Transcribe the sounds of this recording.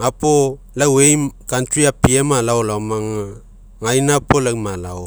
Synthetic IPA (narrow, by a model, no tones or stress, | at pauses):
apo | lawejmkantɾiapiemalaolamaŋa | ŋajnapolamalao